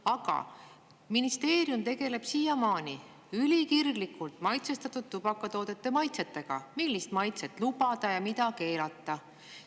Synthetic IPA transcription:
ɑɡ̥ɑ̰ | minist̪e̞ːɾjumt̪e̞ɡe̞le̞b̥siːjɑmɑːni | ylʲikirɡlikːult̪ˑmɑjt̪sest̪ɑt̪ːud̪̥̚t̪ːub̥ɑkːˑɑt̪o̞ːd̪̥e̞t̪ːe̞mɑjt̪set̪ːe̞ɡ̥ɑ̰milːist̪mɑjt̪se̞t̪ːˑlubɑd̪̥ɑjɑmit̪ɑke̞ːlɑt̪ːˑɑ

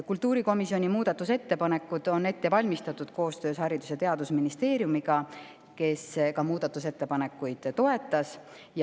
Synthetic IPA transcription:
kult̪ːˑuːɾiko̞misio̞nʲimuːd̪̥ɑt̪ːˑuse̞t̪ːe̞pɑne̞kːˑud̪̥o̞ne̞t̪ːe̞vɑlʲmist̪ɑt̪ːˑud̪̥ko̞ːst̪ø̞ːshɑɾid̪̥uset̪e̞ɑd̪usminist̪e̞ːɾjumiɡ̥ɑ | ke̞skɑmuːd̪̥ɑt̪ːˑuse̞t̪ːe̞pɑne̞kːˑujd̪̥t̪o̞e̞t̪ːˑɑs | j

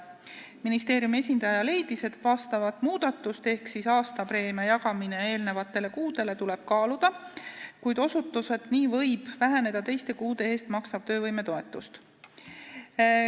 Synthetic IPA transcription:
minist̪e̞ːɾjume̞sʲind̪̥ɑjɑle̞jd̪̥ise̞t̪ˑvɑst̪ɑvɑt̪ˑmuːd̪̥ɑt̪ːˑust̪e̞hksisɑːst̪ɑpɾe̞ːmɑjɑɡɑmine̞e̞ːlne̞vɑt̪ːˑe̞le̞kuːd̪̥e̞le̞t̪ule̞b̥̚kɑːlud̪̥ɑkujd̪o̞sut̪ːˑuse̞d̪̥niːvɤ̞jb̥væɦene̞d̪̥ɑt̪e̞jst̪e̞kuːd̪e̞eːst̪mɑksɑb̥̚t̪ø̞ːvɤjme̞t̪o̞e̞t̪ːˑust̪

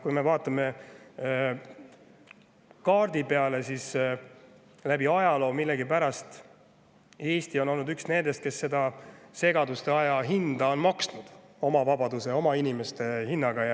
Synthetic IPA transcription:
kujme̞vɑːt̪ːˑɑme̞ | kɑːrd̪̥ipe̞ɑle̞sis | læbiɑjɑlo̞ːmilːe̞ɡipæɾɑst̪ | e̞ːst̪io̞no̞lnud̪yksne̞nd̪̥e̞st̪ke̞sːe̞d̪ɑse̞ɡ̥ɑd̪̥ust̪e̞ɑjɑɦind̪̥ɑo̞nmɑksnud̪̥ | o̞mɑvɑbɑd̪use̞o̞mɑinʲime̞st̪e̞hinːɑɡɑjɑ

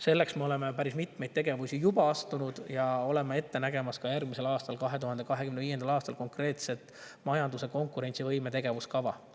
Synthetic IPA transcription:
se̞lːe̞ksmeo̞le̞mepæɾismit̪mejd̥̪̚t̪e̞ɡe̞vusʲijubɑɑst̪unud̪̥jɑo̞le̞mee̞t̪ːe̞næɡe̞mɑskɑjærɡ̥mise̞lɑːst̪ɑlkɑɦe̞t̪uhɑnd̪e̞kɑɦekymneiːjend̪ɑlɑːst̪ɑlko̞ŋkre̞ːt̪se̞t̪ˑmɑjɑnd̪use̞ko̞ŋkuɾe̞nʲt̪sivɤjme̞t̪e̞ɡ̥e̞vuskɑvɑ

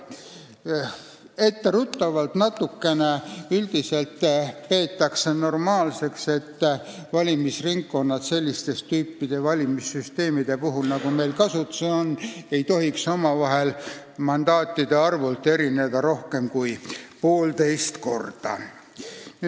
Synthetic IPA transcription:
e̞t̪ːeɾut̪ːɑvɑlt̪nɑt̪ːukːe̞neyld̪̥iselt̪ːpe̞ːt̪ːˑɑkseno̞rmɑːlse̞kse̞t̪ːvɑlʲimisriŋkːo̞nːɑt̪se̞lʲːist̪e̞st̪yːpːid̪̥evɑlʲimisːyst̪e̞ːmid̪̥e̞puɦulnɑɡ̥ume̞jlkɑsut̪seonːe̞jt̪o̞ɦikso̞mɑvɑɦe̞l | mɑnd̪̥ɑːt̪ːid̪̥e̞ɑrvult̪ːˑe̞ɾine̞d̪̥ɑɾo̞hke̞mkujpo̞ːlt̪e̞jst̪ko̞̰rd̪̥ɑ̰

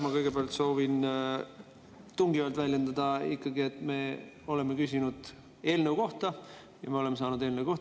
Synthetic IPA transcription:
mɑkɤjɡ̥e̞beɑlt̪so̞ːvin | t̪uŋɡivɑlt̪vælʲjend̪ɑd̪ɑikːɑɡie̞t̪ːˑme̞ | o̞le̞mːe̞kysʲinud̪̥ | e̞ːlnewko̞ht̪ɑ | jɑ̰me̞o̞le̞mːe̞sɑːnud̪̥e̞ːlnewko̞ht̪

